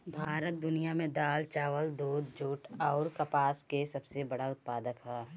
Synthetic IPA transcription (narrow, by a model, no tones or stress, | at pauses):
bʱaːɾət̪̚d̪ʊnijamẽd̪aːlt͡ʃaːʋəld̪oːd̪̚d͡ʒoːʈɔːɾkɐpaːskesɐbsebɐɽaʊt̪̚paːd̪əkɦɛː